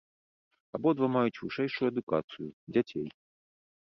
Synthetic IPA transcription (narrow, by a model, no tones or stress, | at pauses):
abɔd̪vɐmajut͡sʲvɨʂɛjʂujuɛd̪uka̰t̪sɨjud͡zʲat͡sʲej